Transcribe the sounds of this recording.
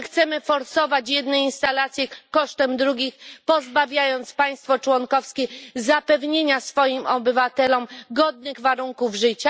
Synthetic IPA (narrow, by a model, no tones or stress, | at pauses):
xt̪sɛmɘfɔɾsɔvat͡ɕjɛd̪̚nɛinst̪alat̪sʲjɛkɔʂt̪ɛmd̪ɾuɡʲixpɔzbavʲjajɔnt̪spaj̃st̪fɔt͡ʂwɔŋkɔfskʲɛzapɛvɲeɲasfɔjimɔbɘvat̪ɛlɔmɡɔd̪̚nɘɣvaɾuŋkuvʐɘt͡ɕa